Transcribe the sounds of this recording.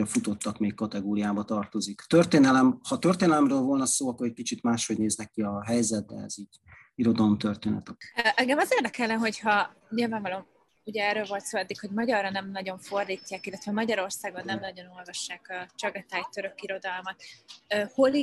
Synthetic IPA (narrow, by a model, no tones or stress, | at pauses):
ɒfut̪o̞t̪ːɒkmeːkkɒt̪ɛɡoːɾijaːbɒt̪ɒrt̪o̞zikt̪ørt̪eːnɛlɛmhɒt̪ørt̪eːnɛlɛmrøːlvo̞lnɒsoːɒkːoɾɛc̚kit͡ʃit̪maːʃho̞ɟneːznɛkːiɒɦɛjzɛt̪̚d̪ɛ̰ɛ̰ziːɟ | iɾo̞d̪ɒlomt̪ørt̪eːnɛ̰t̪ɛkʔɛŋɡɛmɒzeːrd̪ɛkɛlːɛnɦo̞chɒ | ɲilvaːɱvɒlo̞m | uɟɛɛːɾøːlvo̞lt̪soːlɛd̪ːikho̞ɟmɒɟɒrːɒnɛmnɒɟo̞ɱfo̞rd̪iːcːaːkilːɛt̪vɛmɒɟɒɾo̞rsaːɡonːɛmnɒɟo̞no̞lvɒʃːaːkɒt͡ʃɒɡɒt̪aːjt̪øɾø̞kiɾo̞d̪ɒlmɒt̪ːho̞li